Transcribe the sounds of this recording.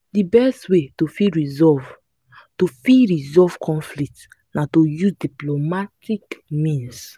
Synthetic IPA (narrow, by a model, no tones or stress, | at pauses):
dibɛstwetofiɹizɔv | tofiɹizɔv̥kʰɔ̃nflik̚t | natojuzdiplomatikmĩns